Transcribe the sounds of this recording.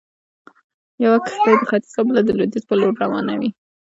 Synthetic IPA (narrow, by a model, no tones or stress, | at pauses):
jawakə̥xapəxat̪i̥sabəlad̪əlʊd̪it̪pəloɾɾawɑnawi